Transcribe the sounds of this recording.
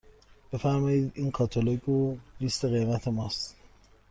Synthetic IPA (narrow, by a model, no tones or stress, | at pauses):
b̥e̞fæɾmɒːiːd̪iːnkʰɒt̪ʰoloɡolist̪e̞ɣebæt̪ʰemɒːst̪